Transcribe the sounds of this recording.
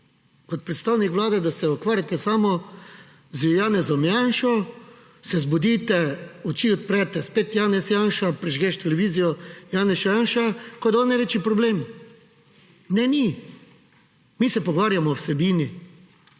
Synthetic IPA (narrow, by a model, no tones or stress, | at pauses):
kɔt̪̚pɾɛt̪st̪aːwnikʋlaːd̪ɛd̪asɛɔkʋaːɾjat̪ɛsaːmɔ | zjaːnɛzɔmjanʃɔ | sɛzbɔd̪iːt̪ɛɔt͡ʃiːɔt̪̚pɾɛːt̪ɛspet̪jaːnɛsjanʃapɾiʒɡeʃt̪ɛlɛʋiːzijɔjaːnɛsʃɔjaːnʃakɔd̪ɔnːajʋeːt͡ʃipɾɔbleːm | nɛni | miːsɛpɔɡʋaːɾjamɔwsɛbiːni